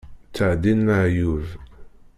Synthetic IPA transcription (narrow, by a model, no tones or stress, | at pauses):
t͡sːaʕd̪inːaʕjuv